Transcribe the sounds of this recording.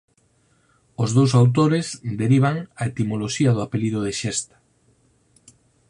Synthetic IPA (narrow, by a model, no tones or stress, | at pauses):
ozðows̬awt̪̬oɾezd̪eɾiβ̞aŋaet̪imoloʃiaðʊapeliðoð̞eʃest̪ḁ